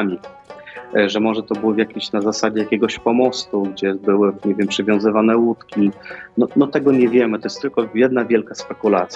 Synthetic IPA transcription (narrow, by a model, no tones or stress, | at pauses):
mʲi | ʐɛmɔʐɛt̪ɔbɘwɔvʲjakʲiɕnazasad͡ʑɛjakʲɛɡɔɕpɔmɔst̪uɡd͡ʑɛbɘwɘɲɛvʲjɛmpʂɘvʲjɔ̃w̃zɘvanɛwut̪kʲinɔnɔt̪ɛɡɔɲɛvʲjɛmɘt̪ɔjɛst̪ːɘlkɔjɛd̪̚navʲjɛlkaspɛkulat̪sʲ